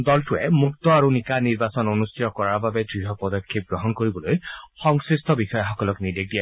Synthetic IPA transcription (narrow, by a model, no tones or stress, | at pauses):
d̪ɔltuɛmukt̪ɔaɹunikaniɹbasɔnonust̪ʰit̪ɔkɔɹababɛdɹiɦɔpɔd̪ɔkʰːip̚ɡɹɔɦɔnkoɹibɔlojxɔŋsɹist̪ʰɔbixɔjɔxɔkɔlɔknidek̚dia